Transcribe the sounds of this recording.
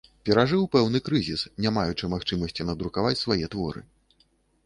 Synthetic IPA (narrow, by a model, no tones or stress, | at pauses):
pʲɛɾaʐɨwpɛwnɨkɾɨzʲisnʲamajut͡ʂɨmaxt͡ʂɨmɐsʲt͡sʲinɐd̪ɾukavat͡sʲsvajɛt̪vɔ̰ɾɨ̰